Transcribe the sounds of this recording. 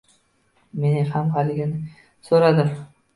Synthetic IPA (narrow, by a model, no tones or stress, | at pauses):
me̞nɪŋhamhalɪɡʲɪnɪ | soɾad̪ɪm